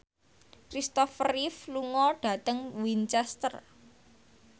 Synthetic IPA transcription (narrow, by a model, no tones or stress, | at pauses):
kɾist̪ɔfrifluŋɔɖ̥ä̤t̪əŋwint͡ʃɛst̪ər